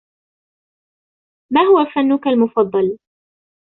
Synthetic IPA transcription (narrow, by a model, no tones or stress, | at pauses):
maːɦʊwafanːʊkalmʊfɑd̪ˤːɑl